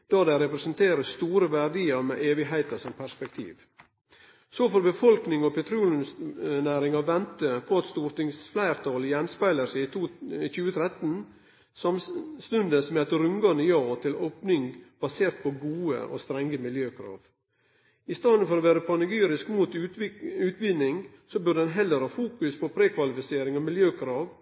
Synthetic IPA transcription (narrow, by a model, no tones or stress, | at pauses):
d̪̥ɑːd̪æɪɾɛpɾəɛsənt̪ʰeːɾəst̪uːɾəʋæɖiːəɾmḛːʔeːʋɪɦæɪt̪əsɔmpʰæspɛk̚t̪ʰḭːʋ | soːfɔɾbəfɔlknɪŋɔpʰɛt̪ʰɾuːlnsnæːɾɪŋɑʋɛnt̪əpʰɔɑt̪st̪uːɾt̪ɪŋsflæɪɾt̪ʰɑljɛnspæɪləɾsæɪt͡ʃʉːət̪ʰɾɛt̪n̩ | sɑmst̪ʉnd̪əsmɛɛt̪ɾʉŋɡɑnd̪əjɑːt̪ʰɪloːpnɪŋb̥ɑseːɾt̪̚pʰɔɡuːə̰ɔ̰st̪ɾɛŋɡəmɪljøːkʰɾɑ̰ːʋ | ɪst̪ɑːd̪nfɔɾɔʋæːɾəpʰɑnɪɡyːɾɪskmuːt̪ʉʉːt̪ʋɪd̪nɪŋ | sɔbʉɖd̪ɛnɦɛlːəɾhɑːfuːkʉspʰɔpʰɾeːkʰʋɑlɪfɪseːɾɪŋɔmɪljøːkʰɾɑːʋ